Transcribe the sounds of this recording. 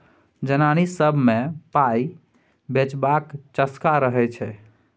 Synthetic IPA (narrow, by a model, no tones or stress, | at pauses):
d͡ʒənanisəbʱmepaj | bet͡ʃbakt͡ʃəskaɾəɦɛt͡ʃʰɛ